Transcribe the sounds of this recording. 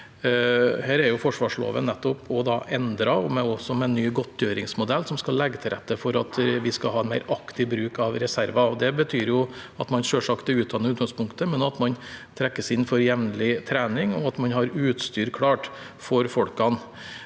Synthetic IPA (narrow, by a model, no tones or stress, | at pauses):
hæːɾɛɾjʊfɔʂʋɑːʂlo̰ːʋə̰nɛt̪ːɔpʰɔd̪ɑːʔɛnd̪ɾɑɔmɛɔsɔmɛnːyːɡɔt̪ːjøːɾɪŋsmʊd̪ɛlːsɔmskɑlːɛɡːət̪ʰɪlɾɛ̰t̪ːəfɔɾɑt̪ʋɪskɑɦɑːɛnmæɪɾɑkt̪ɪbɾʉːkɑʋɾɛsæɾʋɑɔd̪ɛbət̪ʰyːɾjʊɑt̪mɑnʂøːʂɑkt̪ɛʉːt̪̚d̪ɑnːəʉt̪ɡɑŋspʊŋkt̪əmɛnɑt̪mɑnt̪ʰɾɛkːəsɪnːfɔɾjɛʋnlɪt̪ʰɾæːnɪŋɔ̰ɑt̪mɑnɦɑɾʉːt̪st̪yːɾkʰɽɑːʈ | fɔɾfɔɽkɑn